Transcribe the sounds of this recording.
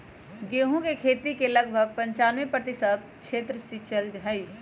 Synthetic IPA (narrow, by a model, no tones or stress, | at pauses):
ɡeːɦũkekʰeːt̪ikelɐɡ̚bʱəɡ̚pɐ̃ɲt͡ʃaːnʋẽpɾɐt̪ɪsəb̚kʃʰeːt̪ɾəsit͡ʃəld͡ʒɦɐɪ